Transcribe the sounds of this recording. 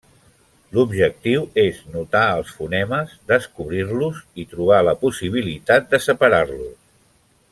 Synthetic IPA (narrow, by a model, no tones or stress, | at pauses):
lubʒək̚t̪iweznut̪aəlˠsfunɛməzd̪əskuβɾirluzit̪ɾuβ̞aləpusiβ̞ilit̪at̪̚d̪əsəpəɾarlu